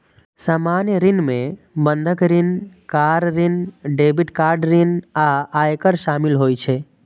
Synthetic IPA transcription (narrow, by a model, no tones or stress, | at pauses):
saːmaːnjəɾɪnmẽ | bə̃nd̪ʱəkɾɪnkaːɾɾɪnɖeːbɪʈkaːɾɖɾɪnaaːjkəɾʃaːmɪlɦoːjt͡ʃʰe